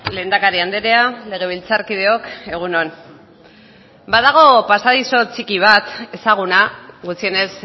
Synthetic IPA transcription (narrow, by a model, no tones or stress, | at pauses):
le̞ːnd̪akaɾiand̪eɾe̞ale̞ɣ̞e̞β̞ilt͡saɾkið̞e̞o̞ke̞ɣ̞unon | baðaɣ̞o̞pasaðiso̞t͡sikiβ̞at̪e̞saɣ̞unaɣut͡sie̞ne̞s